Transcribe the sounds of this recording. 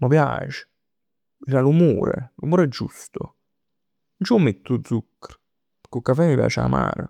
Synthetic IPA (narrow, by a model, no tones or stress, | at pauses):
məpja̰ːt͡ʃe̥ | iɾalumo̰ːɾḛlumoːɾɛd͡ʒːust̪o | nt͡ʃomːet̪ːʊd̪zukːə̥ɾ | pkːokːafɛmipja̰ːt͡ʃa̰ma̰ːɾə̰